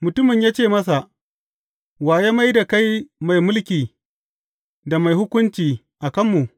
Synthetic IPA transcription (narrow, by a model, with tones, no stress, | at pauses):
mʊ˨tʊ˦mɪ˨ɲjaː˦t͡ʃeː˦˨mɐ˦s̬a˨ʔ | waː˨jaː˦ma˦jda˨ka˦jma˨jmʊ˦lkʲiː˨ | da˨ma˨jhʊ˦kʷʊ˦nt͡ʃiː˨ | ʔa˨kɐ˦mːu˨ʔ